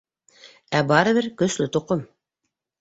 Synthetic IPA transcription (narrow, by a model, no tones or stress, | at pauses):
æbɑɾɤ̆βɘɾkɵ̆slɵt̪ŏqom